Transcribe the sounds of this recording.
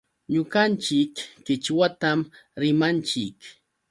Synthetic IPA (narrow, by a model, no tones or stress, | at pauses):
ɲʊɢant͡ʃɪkːɪt͡ʃwat̪amɾɪmant͡ʃɪk